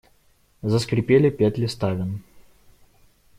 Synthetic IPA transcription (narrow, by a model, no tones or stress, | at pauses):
zəskɾʲɪpʲelʲɪpʲætʲlʲɪst̪avʲɪn